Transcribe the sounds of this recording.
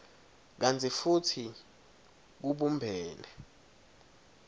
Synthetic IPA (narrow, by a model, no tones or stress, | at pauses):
k̬and͡zʰʱʼifutʰi | k̬uɓumbʱɛːlɛ